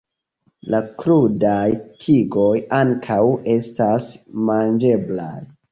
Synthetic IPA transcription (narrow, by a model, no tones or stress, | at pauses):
lakɾudajtʰiɡo̞jaŋkʰawe̞stasmand͡ʒe̞bla̰j